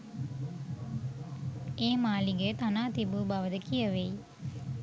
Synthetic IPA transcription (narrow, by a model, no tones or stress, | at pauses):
eːmaːliɡət̪anaːt̪ibubɐʋəd̪əkijɐʋej